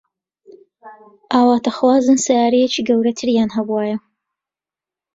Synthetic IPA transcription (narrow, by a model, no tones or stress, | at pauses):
ʔaːwaːt̪ʰɐxwaːzɨnsɐjaːɾejet͡ʃiːɡɐwɾɐt̪ʰɨɾjaːnɦɐbuwaːjɐ